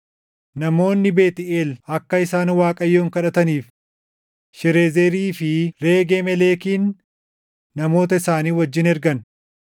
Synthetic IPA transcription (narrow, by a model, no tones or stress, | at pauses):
nɐmo̞ːnːɪbe̞ːt̪ɪʔeːlɐkːɐɪsaːnwaːkʼɐjːoːŋkɐᶑɐt̪ɐniːf | ʃɛɾe̞ːzeɾiːfɪɾeːɡeːmɛleːkiːnː | ɐmo̞ːt̪ɐɪsaːniːwɐd͡ʒːɪnɛɾɡɐn